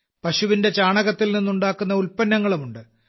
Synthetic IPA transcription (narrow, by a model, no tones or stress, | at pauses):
pɐɕuʋinde̞t͡ɕaːɳɐɣɐt̪ːilninːuɳɖaːkːunːɐulpɐnːɐŋːɐɭumuɳɖɨ